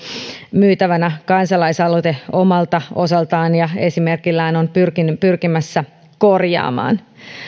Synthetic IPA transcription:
myːt̪æʋænækɑnsɑlɑisɑlot̪eo̞mɑlt̪ɑo̞sɑlt̪ɑːnjɑe̞sime̞rkilːæːno̞npyrkinpyrkimæsːæ | ko̞rjɑ̰ːmɑ̰ːn

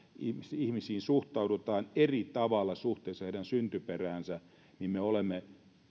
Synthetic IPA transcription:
imisihmisiːnsuht̪ɑudut̪ɑːnerit̪ɑʋɑlːɑsuht̪ˑeːsːɑheiɾænsynt̪yperæːnsæ | nimmeolemːe

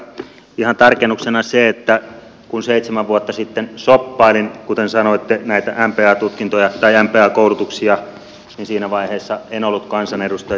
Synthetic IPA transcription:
ihɑnt̪ɑrkenːuksenɑseet̪ːæ | kunseit̪semæʋʋuot̪ːɑsit̪ːensopːɑilinkut̪ensɑnoit̪ːenæit̪æʔæmpeːɑːt̪ut̪kint̪ojɑt̪ɑiæmpeːɑːkoˑulut̪uksiɑ | ninsiːnæʋɑiheːsːɑenolːut̪kɑnsɑnedust̪ɑ

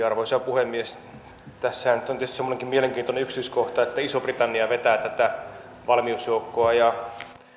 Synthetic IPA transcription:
ɑrʋoisɑpuhemːies | t̪æsːæhænnyt̪ːont̪yest̪semːoneŋkimieleŋkiːnt̪oneykst̪yskoht̪ɑet̪ːæisoprit̪ɑnːiɑʋet̪æːt̪æt̪æ | ʋɑlmiusjoukːoɑjɑ

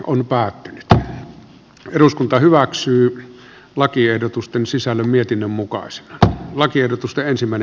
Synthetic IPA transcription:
ʔonpæːt̪ːynyt̪ | eruskunt̪ɑhyʋæksyː | lɑkiehdot̪ust̪ensisælːæmmiet̪inːømmukɑ̰ˑise̥nɑ̥lɑkiehdot̪ust̪eʔensimːˑæˑen

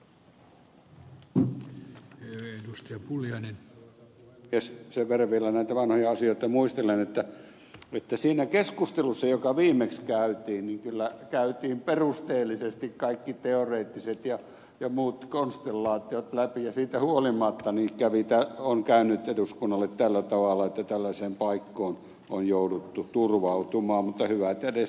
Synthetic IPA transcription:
edust̪eɑpuljɑinen | jesseʋʋerːɑʋielːænæit̪æʋɑnhojɑɑsioit̪ɑmuist̪elenet̪ːæ | et̪ːæsiːnækeskust̪elusːɑjokɑʋiːmekskæyt̪iːnniŋkylːækæyt̪iːmperust̪eːlːisest̪ikkɑikːit̪eoreːt̪ːiset̪jɑ | jɑmuːt̪konst̪elːɑːt̪iot̪læpijɑsiːt̪æhuolimɑt̪ːɑnikæʋit̪æoŋkæynyt̪eduskunːɑlːet̪t̪ælːæt̪ɑʋɑlːˑɑet̪ːæt̪ælːæseːmpɑikːoːn | onjoudut̪ːut̪urʋɑut̪umɑːmmut̪ːɑhyʋæt̪edes

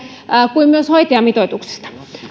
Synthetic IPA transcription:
kuimmyøshoit̪eɑmit̪oit̪ukse̥st̪ɑ̥

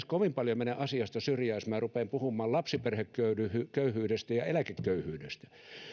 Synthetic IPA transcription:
skoʋimpɑljomeneʔɑsiɑst̪ɑsyrjæismærupeːˑmpuhumˑɑːllɑpsiperhekːøyyhykøyhyːdest̪æjɑelækekːøyhyːdest̪æ̥

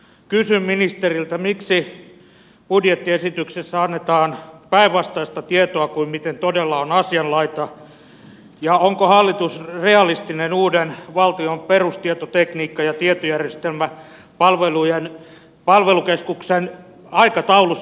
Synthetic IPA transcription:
kysymminist̪erilt̪æmiksi | pudjet̪ːiesit̪yksesːæɑnːet̪ɑːnpæiʋʋɑst̪ɑist̪ɑt̪iet̪oɑkuimmit̪ent̪odelːɑonɑsiɑnlɑit̪ɑ | jɑoŋkohɑlːit̪usreɑlist̪inenuːdenʋɑlt̪iomperust̪iet̪ot̪ekniːkːɑjɑt̪iet̪ojærjest̪elmæ | pɑlʋelujen | pɑlʋelukeskuksen | ɑikɑt̪ɑulus

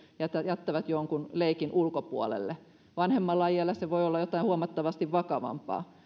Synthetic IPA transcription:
jæt̪ːæjæt̪ːæʋæt̪joŋkunleikinʔulkopuolḛlːe | ʋɑnhemːɑlːɑjɑlːɑseʋoiolːɑjot̪ɑˑihuɑmɑt̪ːɑʋɑst̪iʋʋɑkɑʋɑ̰mpɑ̰ː

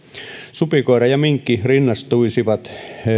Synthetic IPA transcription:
supikoeɾɑjɑmiŋkːirinːɑst̪uisiʋɑt̪

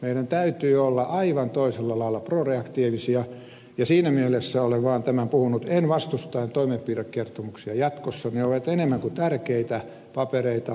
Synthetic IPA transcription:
meidænt̪æyt̪yːolːɑʔɑiʋɑnt̪oiselːɑlɑilːˑɑproreɑkt̪iːʋisiɑ | jɑsiːnæmielesːæoleʋʋɑːnt̪æmæmpuhunut̪enʋɑst̪ust̪ɑent̪oimempiːrekkert̪omuksiɑjɑt̪kosːɑneoʋet̪enemːæŋkut̪ærkeit̪æ | pɑpereit̪ɑ

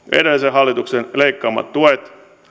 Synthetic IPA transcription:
ḛɾelseɦɑlːit̪uksenleikːɑːmːɑ̰t̪t̪ːuet̪

